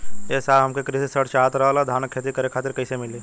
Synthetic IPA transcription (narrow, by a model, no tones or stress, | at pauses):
ɛːsaːɦɐmkekɾisesəʈt͡ʃaːt̪ɾɐɦalad̪ʱaːnkʰːeːt̪ikɐɾekʰaːt̪ɪɾkɐɪsemɪleː